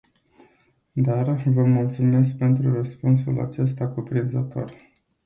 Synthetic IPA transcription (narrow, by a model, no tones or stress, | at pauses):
d̪arvəmult̪sume̞sk̚pe̞nt̪ɾurəspunsula̰t͡ʃe̞s̬t̪akupɾinzət̪ʰo̞̰r